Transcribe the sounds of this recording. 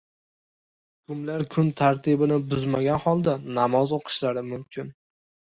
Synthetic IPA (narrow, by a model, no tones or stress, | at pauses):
kʰʊmlaɾkʰʊnt̪ʰaɾt̪ʰɪbɪnɪbʊzmaɡʲanhɒlˠd̪anamɒzoqʰɨ̥ʃlaɾɪmʊmkʲʰɪn